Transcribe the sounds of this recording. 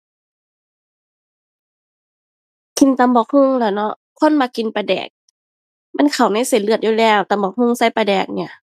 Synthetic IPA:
ki˧nt̪a˧˦mbɔː˧˦k̚hɯ˧˥˨ŋlɛː˧˩wnɔ˧˥ʔ | kʰo˧˥˨nmaː˧ki˧˨npa˧˩dɛ̰ː˨˩k̚ | ma˧˥˨nkʰa˨˩wna˧˥˨jse˨˧˦nlɯ˧˩ət̪̚juː˧lɛː˧˩wt̪a˧˦mbɔː˧˩k̚hɯ˧˥˨ŋsa˧˩˨jpa˧dɛː˨˩k̚ni˧˩ɐ

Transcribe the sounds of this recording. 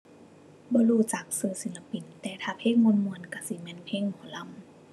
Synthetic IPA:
bɔː˧˦luː˧˩t͡ɕa˨˩k̚sɯː˧˩si˨˦la˧pi˧˩˨nt̪ɛː˧˩t̪ʰaː˧˩pʰeː˧˥˨k̚ŋo˧˥˨nmu˧˨ənka˧˩si˧˦mɛː˧˨npʰeː˧˥˨ŋmu˨˧˦la˧˨m

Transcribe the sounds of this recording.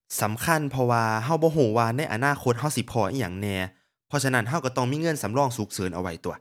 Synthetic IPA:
sa˨˦mkʰa˧˥˨npʰɔ˧waː˧ɦa˧˩wbɔː˧˦ɦoː˧˩waː˧na˧˥˨jʔa̰˧˨naː˧˥˨kʰo˧˥t̪̚ɦa˧˥˩wsi˧˦pʰɔː˧˩ʔa̰˧˥˨ja̰ː˨˩ŋnɛː˧˩ | pʰɔ˧sa˧na˦˧˥nɦa˧˩wka˧˩t̪ɔ˧˩ŋmiː˧˥˨ŋɤ˧˥˨nsa˨˦mlɔː˧˥˩ŋsu˨˦˥k̚sɤː˨˦nʔa̰˧wa˨˧˩jt̪u˨˩ɐ

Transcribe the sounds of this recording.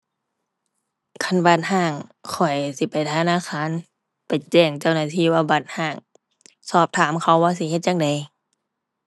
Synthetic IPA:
kʰa˧˩˨nba˧˩t̪̚ɦaː˧˩ŋkʰɔ˨˩jsi˧˦pa˨jt̪ʰa˧naː˧˨kʰaː˧˥˨n | pa˨jt͡ɕɛː˧˩ŋt͡ɕa˧˨wnaː˧˩t̪ʰiː˧˨waː˧ba˧˦˩t̪̚haː˧˩ŋ | sɔː˧˩p̚t̪ʰaː˨˦mkʰa˧˩wːaː˧˨si˧˦˨he˧t̪̚ja˧˨ŋda˨˦j

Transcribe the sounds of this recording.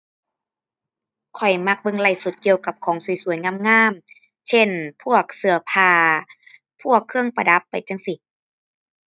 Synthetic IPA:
kʰɔ˨˩jma˧˥k̚bɤ˧ŋla˧˩jsu˨˧˦t̪̚ki˧əwka˧˦p̚kʰɔː˨˦ŋsu˨˩˦jsu˨˦əjŋa˧˥˨mŋaː˧˥˨m | sʰe˧˥˨npʰu˧˥˩ək̚sɯ˧˩ɐpʰaː˧˩ | pʰu˥˩əkʰːɯ˧˥˧ŋpa˧da˧˦pːa˨˩jt͡ɕa˧˥˨ŋsi˧˩

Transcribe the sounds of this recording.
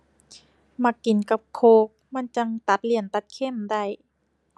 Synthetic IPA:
ma˧kːi˨˦nka˧p̚kʰoː˧˦k̚ma˧˥˨nt͡ɕa˧ŋt̪a˧˦t̪̚li˧˩ənt̪a˧˦t̪̚kʰe˧˥˨mda˧˩j

